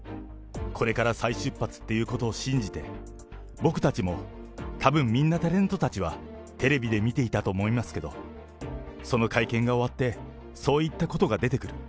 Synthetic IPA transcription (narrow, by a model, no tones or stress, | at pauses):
kʰo̞ɾe̞kaɾasaiɕɨpːat͡sɨ̥t̪ːe̞jɯ̟ːko̞t̪o̞ːɕĩɲ̟d͡ʑit̪e̞ | bo̞kɯ̟̥t̪at͡ɕimo̞ | t̪ʰabɯ̟̃mːʲĩnːat̪aɾẽ̞nt̪o̞t̪at͡ɕiβa | t̪e̞ɾe̞bʲid̪e̞mʲit̪e̞it̪at̪o̞ːmo̞imasɨ̥ke̞d̪o̞̰ | so̞no̞kaikẽ̞ŋɡao̞βat̪ːe̞ | so̞ːit̪ːako̞t̪o̞ɡad̪e̞t̪e̞kɯ̟ɾɯ̟